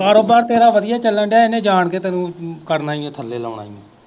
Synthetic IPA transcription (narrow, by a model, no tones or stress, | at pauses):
kaːɾoːbaːɾt̪eːɾaːʋəd̪ɪjaːt͡ʃəlːəɳɖjaːɪnẽːd͡ʒaːɳkeːt̪ɛːnũːkəɾnaːĩãːt̪ʰəlːeːla̰ːɽa̰ːḭḛ̃ː